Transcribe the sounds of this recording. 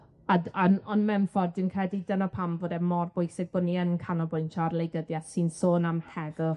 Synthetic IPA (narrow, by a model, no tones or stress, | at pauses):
adanɔnmɛmfɔrdɪwnkʰrɛdidənɔpʰamvɔdɛmɔrbʊjsɪɡ̚bʊnːiənkʰanɔbʊjntʰɔrlˠejɡəðjasinsoːnamtʰɛðə